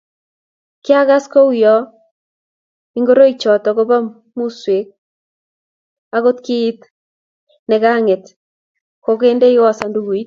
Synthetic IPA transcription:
kɪ˦a˦ɣa˦sko˦u˦jɔ˦ | i˦ŋɡo˦ɾo˦i˨t͡ʃɔ˨tɔ˨ɣo˦βa˦ | mu˦swe˨k̚ | a˦ɣo˦t̚kiː˦t | nɛ˨ɣa˦ŋe˨t | ko˨ɣe˦nde˦i˦wa˦sa˨ndu˦ɣu˨i˦t

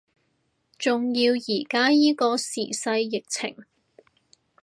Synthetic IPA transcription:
t͡sʊ˨ŋjiː˧wjiː˨˩kaː˥jiː˥kɔː˧sḭː˨˩sɐ˧jːɪ˨k̚t͡sʰɪ̰˨˩ŋ

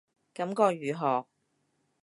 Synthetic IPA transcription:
kɐ˨˧˥mkɔː˧ɥyː˨ɦɔː˨k̚

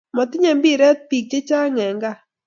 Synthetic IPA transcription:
mɔ˨t̪ɪ˦ɲɛ˨mbi˦ɾɛ˦t̪̚pi˨k̚d͡ʒe˦t͡ʃa˦ŋɛ˨ŋɡa˦˨

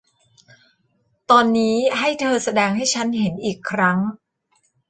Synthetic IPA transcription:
t̪ɔː˧nːiː˦˥ɦa˥˩jt̪ʰɤː˧sa˧dɛː˧ŋha˥˩jt͡ɕʰa˦˥nhe˩˦nʔiː˨˩kʰːɾa˦˥ŋ

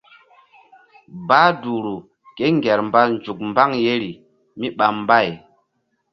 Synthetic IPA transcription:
baː˦du˨ɾu˨ | ke˦ŋɡɛ˨ɾmba˦nd͡ʒu˨k̚mba˦ŋje˦ɾi˨ | mi˦ɓa˨mba˦˨j

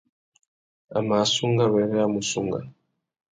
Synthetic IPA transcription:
a̰˨ma˨su˦ŋɡa˦βɛ˨˦ɾɛ˦a˦mu˨su˦ŋɡa̰˨

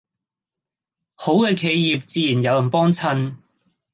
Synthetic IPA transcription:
ho˨˥wkɛː˧kʰe˨˧jjiː˨p̚t͡siː˧jiː˨˩njɐ˨˧wjɐ˨˩npɔː˥ŋt͡sʰɐ˧n

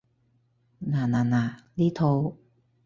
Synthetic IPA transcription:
naː˨˩naː˨˩naː˨˩liː˦˥t̪ʰo˧w

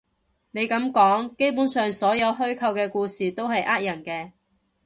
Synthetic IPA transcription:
ne˨˧jkɐ˨˥mkɔː˨˥ŋke˥jpuː˨˥nsœː˨ŋsɔː˨˥jɐ˨˧wɦɵ˥ɥkʰɐ˧wkɛː˧kuː˧siː˨t̪o˥wɦɐ˨jʔaː˥t̚jɐ˨˩nkɛː˧

